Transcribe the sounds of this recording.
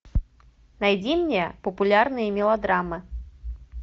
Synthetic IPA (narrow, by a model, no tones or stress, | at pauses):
najd͡zʲimnʲɛɛpɐpulʲarnɨjɐmʲɛlˠad̪ɾamɨ